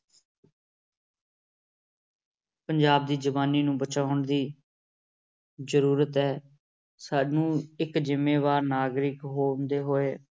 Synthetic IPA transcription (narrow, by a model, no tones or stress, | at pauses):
pəɲd͡ʒaːb̚d̪iːd͡ʒəʋaːniːnũːbət͡ʃaːʊɳd̪iː | zəɾuːɾət̪ɦɛː | saːnũːɪkzɪmːeːʋaːɾnaːɡɾɪkɦoːnd̪eːɦoːeː